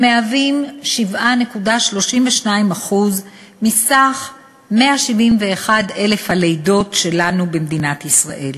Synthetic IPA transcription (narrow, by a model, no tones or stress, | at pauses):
meavimʃivane̞kudaʃlo̞ʃimveʃnaimaχuz | misaχ | me̞aʃivimveːχade̞le̞fhalejdo̞tʃe̞lanubemd̪inat̪isʁa̰ʔe̞l